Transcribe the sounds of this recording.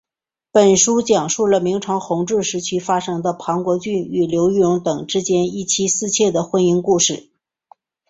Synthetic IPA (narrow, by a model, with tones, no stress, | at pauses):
pə˨˩nʂu˥t͡ɕjɑ˨˩ŋʂu˥˩lə˩mi˧˥ŋʈ͡ʂʰɑ˧˥ŋxʊ˧˥ŋʈ͡ʂɻ̩˥˩ʂɻ̩˧˥t͡ɕʰy˥fa˥ʂɤ˥ŋd̪ə˧pʰɑ˧˥ŋkwɔ˧˥t͡ɕy˥˩ny˨˩ljo˧˥ʊjʊ˧˥ŋt̪ɤ˨˩ŋʈ͡ʂɻ̩˥t͡ɕjɛ˥ni˥˩t͡ɕʰi˥sɹ̩˥˧t͡ɕʰjɛ˥˩d̪ə˩xwə˥ni˥ŋku˥˧ʂɻ̩˥˩